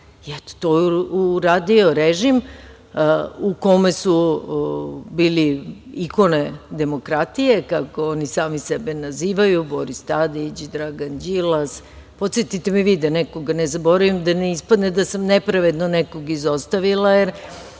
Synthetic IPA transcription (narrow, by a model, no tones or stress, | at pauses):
ɛt̪o̥t̪ojuɾaːd̪io̞ɾeʒim | uko̞mesu | biːliiko̞ne̞d̪e̞mo̞kɾat̪ije̞kako̞o̞nisaːmisɛbenaziːʋajubo̞ɾist̪ad̪it͡ɕd̪ɾaɡand͡ʑilas | po̞t̪sjet̪it̪emiʋiːd̪anɛko̞ɡanezabo̞ɾaʋimd̪aneispad̪ned̪asamnepɾaʋe̞d̪noneko̞ɡizo̞st̪aʋilˠajeɾ